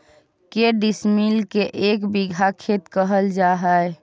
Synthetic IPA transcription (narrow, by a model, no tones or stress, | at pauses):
keɖismilkeʔekbiɡʱakʰet̪kəɦəld͡ʒaɦəe